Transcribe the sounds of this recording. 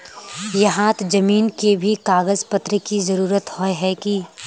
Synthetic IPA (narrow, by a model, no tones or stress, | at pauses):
jɐɦãːt̪d͡ʒɐmiːnkebʱikaːɡəzpət̪ɾəkizɐɾuːɾət̪hoeɦɛki